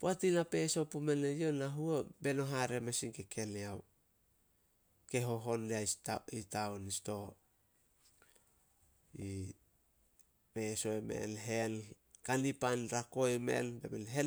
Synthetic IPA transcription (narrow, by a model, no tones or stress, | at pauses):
poatinape̞so̞pume̞nejo̞naɦuobe̞no̞ɦaɾemesiŋkekʰe̞neaw | ke̞ɦo̞ɦo̞ndeaitaonisto̞ | i | pe̞so̞eme̞̰nɦe̞n | kanipanɾako̞eme̞̰nbḛmenɦe